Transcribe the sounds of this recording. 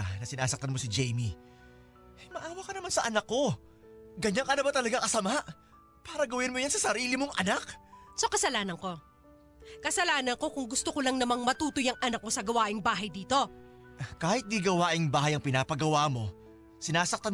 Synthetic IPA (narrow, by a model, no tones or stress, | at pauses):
anɐsɪnaːsɐk̚t̪ɐnmo̞sɪd͡ʒɛjmi | ʔɐjmɐʔaːwɐkɐnɐmansɐʔɐnɐkːo̞ | ɡɐɲaŋkɐnɐbat̪ɐlɐɡakɐsɐmaʔ | paːɾɐɡɐwɪnmojansɐsɐɾiːlɪmoŋʔɐnaksokɐsɐlaːnɐŋko̞ | kɐsɐlaːnɐŋko̞kʊŋɡʊst̪okolɐŋnɐmaŋmɐt̪uːt̪ojɐŋʔɐnɐk̚mo̞sɐɡɐwaːʔɪŋbaːɦɐjd̪iːt̪o̞ | kaːhɪt̪̚d̪iɡɐwaːʔɪŋbaːhɐjɐŋpɪnaːpɐɡɐwaːmo̞ | sɪnaːsɐk̚t̪an